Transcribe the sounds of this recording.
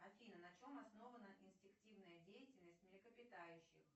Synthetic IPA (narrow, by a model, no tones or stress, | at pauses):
ɐfʲinənɐt͡ɕo̞mɐsno̞vənəʔɪnsʲtʲɪk̚tʲivnəjədʲejɪtʲɪlʲnəsʲtʲmʲɪlʲɪkəpʲɪt̪ajʉɕːɪ̰x